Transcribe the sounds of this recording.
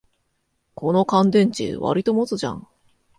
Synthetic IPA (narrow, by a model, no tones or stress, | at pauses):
kʰo̞no̞kãnd̪ẽ̞ɲ̟t͡ɕḭβa̰ɾʲit̪o̞mot͡sɨʑã̰ŋ